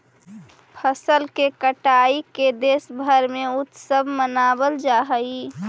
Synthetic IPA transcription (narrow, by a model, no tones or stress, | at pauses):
pʰəsəlkekəʈaːiked̪eːsbʱəɾmẽʊt̪səbʱmənaːbəld͡ʒaːɦəi